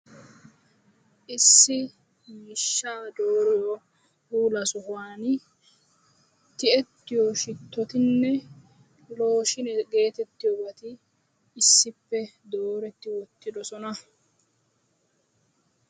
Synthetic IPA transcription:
ʔɪsːɪ | mɪʃːaːd̪oːɾɪjɔ | huːlɐsʊhʊwaːnɪ | t̪ɪʔɛt̪ːɪjɔʃɪt̪ːɔt̪ɪnːɛ | lo̞ːʃɪnɛɡe̞ːt̪ɛt̪ːɪjɔbɐt̪ɪː | sːɪpːɛd̪o̞ːɾɛt̪ːɪwɔt̪ːɪd̪ɔsɔnɐ

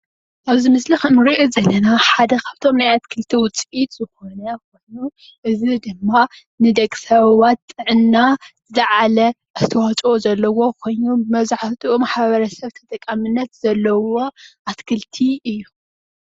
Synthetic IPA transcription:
ʔaβzimɨslixɐnɨɾiʔuzɐlːɐnaħad̪ɐkʰaβt̪ʰo̞mnajat̪kʰɨlt̪ʰiwʊt͡sʼʔit̪zɨxo̞nɐkʰo̞jnu | ʔɨzid̪ɨmːa | nɨd̪ɐkʼsɐβwat̪ʼːɨʕɨnːazɨlɐʕalɐ | ʔɐst̪ʰɐwat͡ʃʼozɐlːɐwo̞kʰo̞jnubɨmɐβzaħt̪ʰʼuumaħβɐɾɐsɐβt̪ʰɐ̥t̪ʼɐkʼːɐmɨnːɐt̪z̥ɐlːɐwo̞ʔat̪kʰɨlt̪ʰiɨjːu

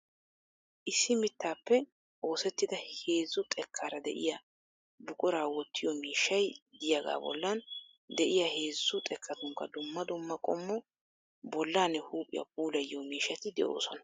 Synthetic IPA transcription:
ʔɪsːɪmɪt̪ːaːpːɛ | o̞ːsɛt̪ːɪd̪ɐhe̞ːzːʊt̪ʼɛkʰːaːɾɐd̪ɛ̰ʔɪ̰ja | bʊkʼʊɾaːwɔt̪ːɪjɔmiːʃːɐjd̪ɪjɐɡa̰ːbɔ̰lːan | d̪ɛʔɪjahe̞ːzːʊt̪ʼɛkʰːɐt̪ʊŋkːɐd̪ʊmːɐd̪ʊmːɐkʼɔmːɔ | bɔlːaːnɛhuːpʼːɪ̰jɐ̰p̚uːlɐjːɔmiːʃːɐt̪ɪd̪ɛʔo̰ːsɔnɐ̥

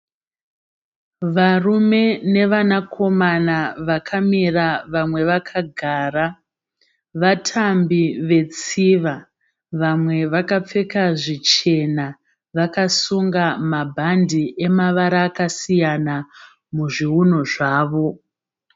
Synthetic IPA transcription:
ʋarume̞ne̞ʋanakʰo̞manaʋakʰamiraʋamwe̞ʋakʰaɡʱaːra | ʋatʰambiʋe̞t͡siʋa | ʋamwe̞ʋakap͡fe̞kaʐit͡ʃe̞na | ʋakasuŋɡamabʱandiʔe̞maʋaɾaːkasijana | muʐiuno̞ʐaːʋo̞

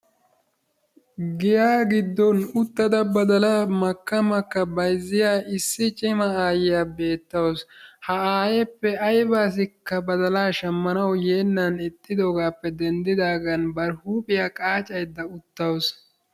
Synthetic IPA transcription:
ɡɪjaːɡɪd̪ːɔnʊt̪ːɐd̪ɐbɐd̪ɐlamɐkːɐmɐkːɐbɐjzːɪjaːɪsːɪt͡ʃʼɪmɐaːjɪjaːbe̞ːt̪ːɐwshɐaːjɛpːɛɐjbaːs̬ɪkːɐbɐd̪ɐlaːʃɐmːɐnɐwjeːnːɐnɪt̪ʼːɪd̪o̞ːɡaːpːɛd̪ɛnd̪ɪd̪aːɡɐnbɐɾhuːpʼɪjakʼaːt͡ʃʼɐjd̪ːɐʊt̪ːɐws

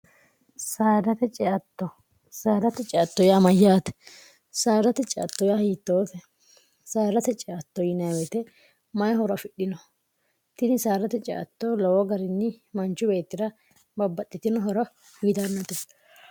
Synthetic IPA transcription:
saːd̪ɐt̪ɛt͡ʃʼɛɐt̪ːɔ | saːd̪ɐt̪ɛt͡ʃʼɪɐt̪ːɔjamɐjːaːt̪ɛ̥ | saːɾɐt̪ɛt͡ʃʼɛʔɐ̰t̪ːɔjahiːt̪ːoːt̪ɛ | saːɾɐt̪ɛt͡ʃʼɛʔɐt̪ːɔjɪnɐwɛt̪ɛ | mɐjɦɔɾɐfɪɗːɪnɔ | t̪ɪnɪsaːɾɐt̪ɛt͡ʃʼɛ̰ʔɐ̰t̪ːolɔwɔɡɐɾɪnːɪmɐnt͡ʃːʊbe̞ːt̪ːɪd̪ɐ | bɐbːɐt̪ʼːɪt̪ɪnɔɦɔɾɐ | hiːt̪ɐnːɐt̪ɛ

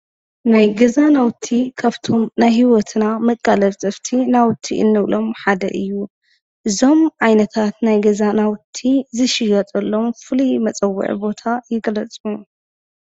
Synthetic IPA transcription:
najɡɐzanawt̪ʰikʰaβt̪ʰo̞mnajɦiwɔt̪ʰnamɐkʼːalɐβsʼɨft̪ʰinawt̪ʰḭʔɨ̰nːɨβlo̞mħad̪ɐ̰ʔɨjːu | ʔɨzo̞mʕajnɐt̪ʰat̪najɡɐzanawt̪ʰizɨʃɪjɐt̪ʼɐlːo̞mfɨlimɐt͡sʼɐwːṵʕḭbo̞t̪ʰajɪɡɐlɐt͡sʼu

